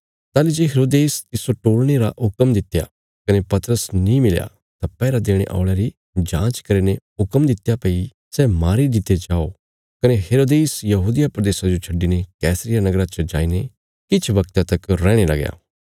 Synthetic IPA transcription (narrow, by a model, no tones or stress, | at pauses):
t̪aːlid͡ʒeːɦeːɾoːd̪eːst̪ɪsoʈoːɭɽ̃eɾa̰ʊkəmd̪ɪt̪ja̰ | kɐnepɐt̪ɾəsnĩmɪlja̰ | t̪apɛːɾad̪eːɽ̃ḛʔa̰ːʊɭjaɾi | d͡ʒãːt͡ʃkɐɾeneɦʊkəmd̪ɪt̪japɐi | sɛmaːɾid̪ɪt̪ed͡ʒaːo | kɐneɦeːɾoːd̪eːsjɐɦuːd̪ɪjapɾɐd̪eːsad͡ʒot͡ʃʰɐɖːinekɛːsɾɪjanɐɡɾat͡ʃɐd͡ʒa̰ːine | kɪt͡ʃʰʋɐkt̪ãt̪ɐkɾɛ̃ːɽ̃elɐ̰ɡja̰ː